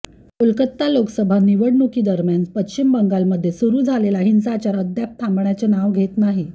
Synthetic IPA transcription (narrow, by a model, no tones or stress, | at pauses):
ulkət̪ːaloksəbʱaniʋəɽnukiːd̪əɾmjanpətɕimbəŋɡalməd̪ʱːjesuɾuːd͡zʱalelaɦint͡saːt͡ɕaɾəd̪ʱjap̚t̪ʰãmbɳjat͡senaʋɡʱet̪naɦi